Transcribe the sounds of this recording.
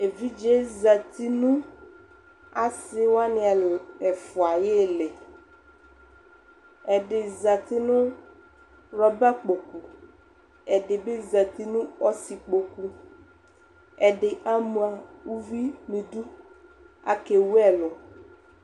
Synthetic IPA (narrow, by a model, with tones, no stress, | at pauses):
e˨vi˦d͡ʒe˦za˨t̪i˦nũ˦ | a˨sɪ˦wa˦nɪ˨ɛ˨fʊ˨a˨je˦lɛ˨ | ɛ˨dɪ˨za˨t̪ɪ˦nʊ̃˦ | ɾɔ˨ba˦k͡po˨ku˨ | ɛ˨ɖɪ˨be˦za˨t̪i˦nũ˦ɔ˦si˨k͡po˨ku˦ | ɛ˨ɖɪ˨ʔa˦mũ˨a˨wu˦vi˦mĩ˨du˦ | a˨ke˨wu˦ɛ˨lʊ˨